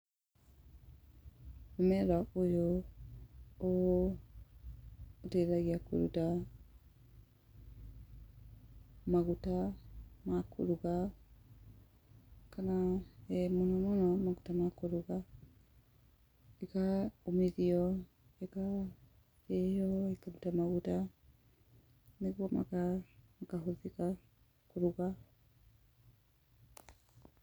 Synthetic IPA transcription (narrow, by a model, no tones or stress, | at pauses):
omɛɾaojo | o | teɾaɣiako̰ɾṵta | maɣutamakʰo̰ɾuɣa | kanaɛmonɔmonɔmaɣutamakoɾuɣa | ekaomiðiɔ | eka | ejɔekamutamaɣuta | neɣwɔma̰kakahoðika | koɾuɣa